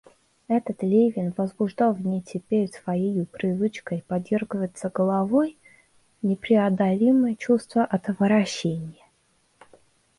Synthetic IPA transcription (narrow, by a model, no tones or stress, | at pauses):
ɛt̪ət̪lʲejvʲɪnvəzbʊʐd̪ɑlˠvnʲɪtʲʰɪpʲeɾʲsvɐjejupɾʲɪvɨt͡ɕkəjpɐdʲvʲerɡɨvəjɪt̪səɡəlˠɐvo̞j | nʲɪpɾʲɪɐd̪ɐlʲiməjət͡ɕust̪vəʔɐt̪əvəɾɐɕːenʲɪjə